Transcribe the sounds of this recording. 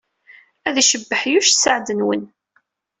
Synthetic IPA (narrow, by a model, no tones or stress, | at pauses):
æðæʃəbːəħjuʃsəʕd̪ənwə̰n